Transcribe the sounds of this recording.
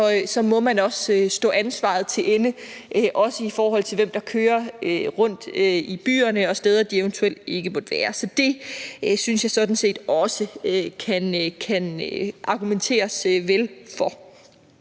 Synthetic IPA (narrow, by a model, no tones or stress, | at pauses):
ɒ̽sɒ̽mɒ̽mænɒ̽ssd̥ɔ̰̽ːænsʋɑ̰̈ð̩ˠt͡sʰe̝lʔenəʔʔɒ̽səifɒːɦɒ̽l̰t͡sʰe̝lʋem̰d̥ɑ̈kʰøːɐøʁɔ̽n̰d̥øib̥y̰ːɐnəɒ̽sd̥eð̞ˠɐd̥ieʊnt͡sʰuel̰d̥e̝ɡ̥əmɒd̥ʋæːɐsɒ̽d̥e̝synsjɑ̈ɪsɒ̽d̥n̩se̝̰ːd̥ɒ̽səøkʰænkʰænøʔɑ̈ɡ̥ument͡sʰe̝̰ːɐsʋelfɒ̽